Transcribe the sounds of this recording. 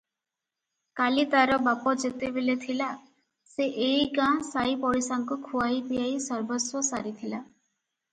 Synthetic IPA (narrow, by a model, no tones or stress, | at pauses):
kalit̪aɾɔbapɔd͡ʒet̪ebelet̪ʰila | seʔeiɡãsajpɔɽisaŋkukʰuajd̪ijajsɔɾbɔswɔsaɾit̪ʰila